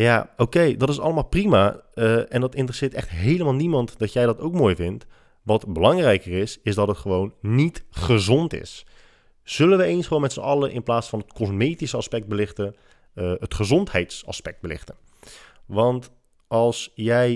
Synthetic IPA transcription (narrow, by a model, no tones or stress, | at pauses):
jaːowkejdɔtɪsɑ̰ləmaːlˠprimaəɛndɑtɪntrəsɪːtɛχtɦejləmaːlˠnimɑntdɔtjɛjdɔtowk̚moːjvɪnt | ʋɑtbəlɑŋrɛjkərɪsɪzdɑtətχəʋownːitχəzɔntɪ̰s | z̥ɵlənʋəeːnsχəʋoːmɛtsə̰ʔɑləʔɪ̰nplaːsfɑnətkɔzmeːtisəɑspɛk̚d̚bəlɪxtə | əətχəzɔnthɛjtsɑ̰spɛk̚d̚bəlɪ̰xtən | ʋɑnt | ɑlˠsjɛj